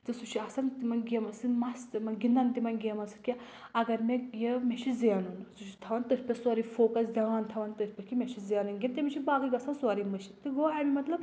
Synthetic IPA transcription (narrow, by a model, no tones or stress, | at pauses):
t̪ɨsut͡ʃʰiɐsɐnt̪imɐnɡʲemɐsɨmɐst̪mɐnɡind̪ɐnt̪imɐnɡʲemɐnsɨ̥kʲe | ɐɡɐɾmejemʲeʃʰizenunsut͡ʃʰi̥t̪ʰɐʋɐnt̪ɨɾʲpʲɐsoɾifoːkɐsd̪ʲɐʋaːnt̪ʰɐʋɐnt̪ɨɾʰʲpʲɐkʰimʲet͡ʃʰizenunɡʲent̪imit͡ʃʰibaːɡɨɡʲɐsansoɾimɨʃʰi̥t̪ɨɡoɐmimɐt̪lɐb